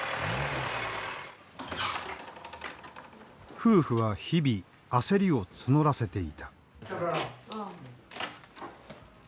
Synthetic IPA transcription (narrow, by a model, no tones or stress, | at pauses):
ɸɯːɸɯ̟βaçibʲi | ase̞ɾʲio̞t͡sɨno̞ɾase̞t̪e̞ḭt̪ḁ